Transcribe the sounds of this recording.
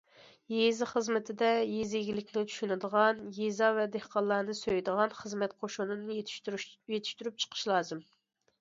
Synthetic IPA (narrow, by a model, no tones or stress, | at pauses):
jezɪχəzmɪt̪ʰɪd̪ɛjezɪɡʲilɪkʲnɪt͡ʃʰy̥ʃynɪd̪əʁɑnjezɑvɛd̪ehqɑlˠːɑnɨsøjd̪əʁɑnχəzmɛt̪̚qʰoʃunɨnɨ | jet̪ʰɪ̥ʃt̪yɾyp̚t͡ʃʰə̥qʰə̥ʃlˠɑːzɨm